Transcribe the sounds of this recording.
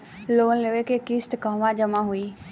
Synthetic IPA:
loːnleʋekekɪst̪kəːʋãd͡ʒəmaɦʊiː

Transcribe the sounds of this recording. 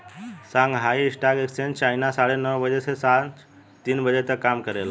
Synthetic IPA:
sãŋɡɦaiisʈaɡeksent͡ʃainasaɽenəwbəd͡ʒesesan | t̪inbəd͡ʒet̪əkːamkəɾel

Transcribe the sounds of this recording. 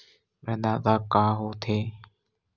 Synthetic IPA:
bəd̪aːt̪aːkaːɦoːt̪ʰeː

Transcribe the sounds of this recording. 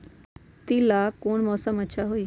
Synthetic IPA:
t̪ilaːkoːɳmɔːsəmɐtːʃʰaɦoiː

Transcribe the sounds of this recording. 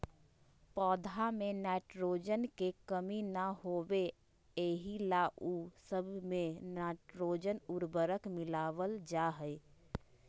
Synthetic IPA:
pɔːd̪ʱamẽnɛːʈɾoːd͡ʒənkekəminəɦoːwe | eːɦilaːʔusəbʱmẽnaːʈɾoːd͡ʒənʊɾbəɾəkmɪlaːʋəld͡ʒaːɦəɪ

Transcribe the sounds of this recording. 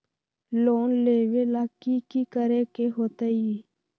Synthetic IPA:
loːnleːʋeːlaːkikikəɾeːkeɦoːt̪aiː

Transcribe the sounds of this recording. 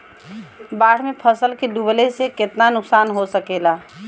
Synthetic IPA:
baːɽ̤mẽpʰəsəlkeɖ̪ublesekɪt̪nanʊksaːnɦosəkeːlaː

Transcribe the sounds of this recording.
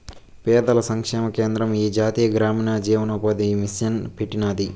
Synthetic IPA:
pɛːd̪ɐlɐsɐŋkʂɛːmɐkeːnd̪ɾɐmiːd͡ʒaːt̪iːjɐɡɾaːmiːnaːd͡ʒiːʋɐnɐpɐd̪imisjɐnpiʈinaːd̪i

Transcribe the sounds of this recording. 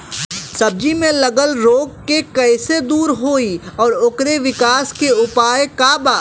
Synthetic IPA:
sɐb̚d͡ʒimẽlɐɡəlɾoːɡ̚kekɐːsed̪uːɾɦoːiɔːɾʊkɾeʋɪkaːskeʊpaːjekaːbaː

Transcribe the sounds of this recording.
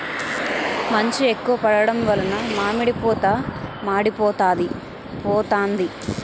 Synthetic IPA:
mɐɲt͡ʃiekːuʋɐpɐɽɐɽɐmʋɐlɐnɐmaːmiɽipɔːt̪amaːɽipɔːt̪aːd̪i | pɔːt̪aːnd̪i

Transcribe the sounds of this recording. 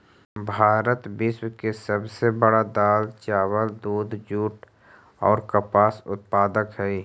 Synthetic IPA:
bʱaːɾət̪bɪʃwkesəbsebəɽad̪aːlt͡ʃaːwəld̪uːd̪d͡ʒuːʈ | ɔːɾkəpaːsʊt̪̚paːd̪əkɦɛ

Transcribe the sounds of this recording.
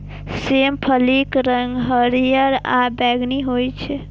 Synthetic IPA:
sempʰəlikɾəŋɡɦəɾijəɾabɛɡniɦojt͡ʃʰɛ

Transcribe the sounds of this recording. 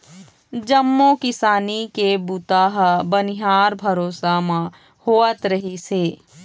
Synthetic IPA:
d͡ʒɐmːokɪsaːnikebut̪aːɦbɐnɪɦaːɾbʱɐɾoːsamã | hoːət̪ɾɐɦiseː

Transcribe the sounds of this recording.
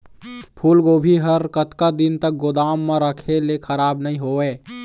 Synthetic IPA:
pʰuːlɡoːbʱiɦəɾkət̪kad̪int̪ək̚ɡod̪aːmːãɾəkʰelekʰəɾaːbnəɦĩɦoeː

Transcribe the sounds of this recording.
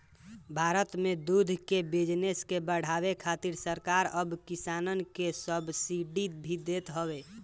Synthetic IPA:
bʱaɾət̪med̪ud̪ʱkebid͡ʒneskebəɽ̤abekʰat̪iɾsəɾkaɾəbkisanənkesəbʱsiɖit̪̚bʱid̪et̪ɦəwe

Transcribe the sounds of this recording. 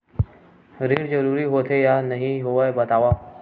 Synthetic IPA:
ɾiːɽd͡ʒəɾuːɾiːɦoːt̪ʰejaːnəɦĩɦoʋabət̪aːʋaː

